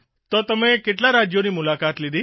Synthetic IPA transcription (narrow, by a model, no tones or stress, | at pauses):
t̪ot̪əmekeʈlaɾad͡ʒjonimulakat̪lid̪i